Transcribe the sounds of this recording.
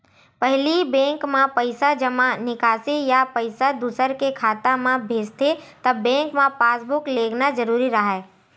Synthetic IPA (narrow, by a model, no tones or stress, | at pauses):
pɐɦlibɛ̃ːŋkmãpəɪsad͡ʒɐmãnɪkaːsejapəɪsad̪ʊsəɾkekʰaːt̪amãbʱeːd͡ʒt̪et̪ɐbːɛ̃ːŋkmãpaːsbʊkleːɡnad͡ʒɐɾuːɾiɾɐɦaɛː